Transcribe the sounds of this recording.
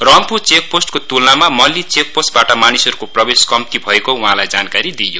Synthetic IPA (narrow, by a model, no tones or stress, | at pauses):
rʌmput͡sek̚posʈkot̪ulnamamʌlːit͡sek̚posʈ̚baʈʌmanisʌɾukoprʌbeskʌmt̪ibʱʌekouɦãlajd͡zankaɾid̪ijo